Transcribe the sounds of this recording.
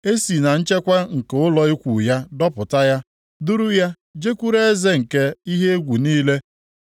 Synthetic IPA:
e˦si˨na˨n̩˦t͡ʃe˦kʷa˦ŋ̩˨ke˨ʊ˦lɔ˨i˦kʷu˨ja˦dɔ˦pʊ˨ta˦ja˦ | dʊ˦ɾʊ˦ja˦ | d͡ʒe˦kʷu˦ɾe˦e˦ze˦ŋ̩˨ke˦i˦ɦe˦e˦ɡʷu˨niː˦le˦

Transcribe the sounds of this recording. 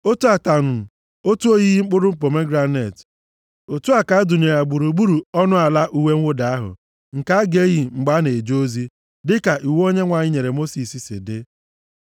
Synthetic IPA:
o˦tu˦a˨ta˨nʊ˨ | o˦tu˦o˦ɣi˦ɦi˦ŋ͡m̩˦k͡pʊ˦ɾʊ˦m̩˦p̬o˨me˦ɡɾa˦ne˨t | o˨tu˦a˨ka˨˦du˨ɲ˨e˨ja˨ɡ͡bu˨ɾu˨ɡ͡bu˦ɾu˨ɔ˦nʊ˦a˨la˦ʔu˦we˦ŋ̩ʷ˦ʊ˦da˨a˦ɦʊ̰˨ | ŋ̩˨ka˦a˦ɡe˦ɣi˨ŋ͡m̩˨ɡ͡ba˦ne˨d͡ʒo˦zi˦ | dɪ˦ka˨ʔi˨wo˦ɲe˦ŋʷa˨ɲɪ˦ɲe˨ɾe˨mo˦si˨si˨sɪ̰˨dɪ˦

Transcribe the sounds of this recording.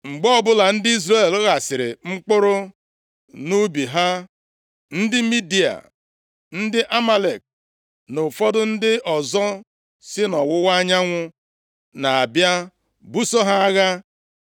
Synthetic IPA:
ŋ͡m̩˨ɡ͡bɔ˦bʊ˦la˨n̩˦dɪ˦i˦zre˦˨lɣa˨sɪ˨ɾɪ̰˨ŋ͡m̩˦k͡pʊ˦ɾʊ˦ | nu˦bi˨ɦa˦ | n̩˦dɪ˦mi˦di˨a̰˨ | n̩˦dɪ˦ʔa˦ma˦le˨k̚ | nʊ˨fɔ˦dʊ˦n̩˦dɪ˦ʔɔ˨zɔ˦ | sɪ˦nɔ˨wʊ˦wa˦ɲa˦ŋʷʊ˦ | na˨a˨bja˦ | bu˦so˦ɦa˦a˦ɣa˦

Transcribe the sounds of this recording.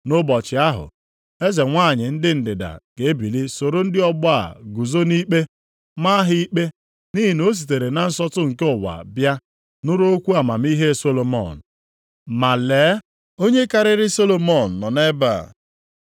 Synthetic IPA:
nʊ˦bɔ˨t͡ʃɪ˨a˦ɦʊ̰˨ | e˦ze˨ŋʷa˦˨ɲɪ˨n̩˦dɪ˦n̩˨dɪ˨da̰˨ɡ̥e˨e˦bi˨li˦so˨ɾo˦n̩˦dɪ˦ɔ˦bɔ˦a̰˨ɡu˨zo˦ni˦k͡pe˦ | ma˦ɦɪ˦i˦k͡pe˦ | ni˦ɦi˨no˦s̬i˨te˨ɾe˨na˨n̩˦sɔ˦tʊ˦ŋ̩˨ke˦ʊ˨wa̰˨bja˦ | nʊ˦ɾo˦o˦kʷu˦a˨ma˨m˦i˦ɦe˦˨so˦lo˨mɔ̰˦˨n̩˨ | ma˨leː˨˦ | o˦ɲe˦ka˦ɾɪ˦ɾɪ˦so˦lo˨mɔ˨n̩ː˨ɔ˨ne˦ba̰˨

